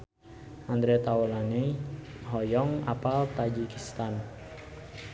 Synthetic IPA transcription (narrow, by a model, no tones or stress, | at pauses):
and̪ɾet̪aolaneɦɔjɔŋa̰palt̪ad͡ʒikist̪an